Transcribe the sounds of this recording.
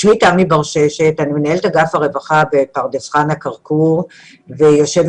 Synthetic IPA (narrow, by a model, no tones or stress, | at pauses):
ʃmitamibaʁʃe̞ʃetanimenaeletaɡafaʁe̞vaχabe̞paʁdesχanhakaʁkuʁ | vejo̞ʃev